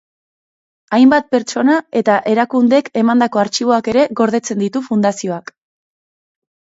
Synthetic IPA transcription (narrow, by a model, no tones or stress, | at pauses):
ajmbat̪̚pe̞ɾt͡ʃo̞nae̞t̪aʔe̞ɾakund̪e̞ke̞mand̪ako̞aɾt͡ʃiβ̞o̞ake̞ɾe̞ɣo̞ɾð̞e̞t͡se̞nd̪it̪ufund̪asio̞ak